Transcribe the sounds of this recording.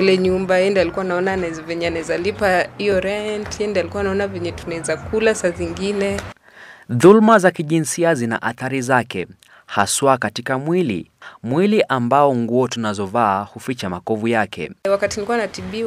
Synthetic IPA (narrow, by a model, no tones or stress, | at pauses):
ilɛɲumbaɛndɛalikuwanaɔnanazvɛɲɛanɛzalipaijɔɾɛntɛndɛalikuwanaɔnavɛɲɛtunɛzakulasaziŋɡinɛ | ðulmazakiʄinsiazina̰ʔaθaɾizakɛ̰ | haswakatikamwilḭmwiliʔambaɔŋɡuɔtunazɔvaːhufit͡ʃamakɔvujakɛ̰wakatinilikuwanatiɓi